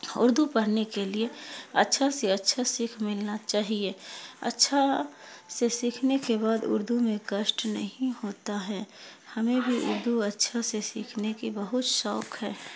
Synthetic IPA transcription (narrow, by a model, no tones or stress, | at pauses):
ʊ̰ɾd̪ʱupɐɾnekelieɐ̰tːʃʰaseɐtːʃʰasiːkʰmɪlnat͡ʃaːɦieɐ̰tːʃʰa | sesiːkʰnekebaːd̪ʊ̰ɾd̪ʱumẽkəʃʈnɐ̰ɦĩhoːt̪aɦɛː | hɐmẽbʱiʔʊ̰ɾd̪ʱuɐtːʃʰasesiːkʰnekibɐɦʊt̪ʃɔːkɦɛː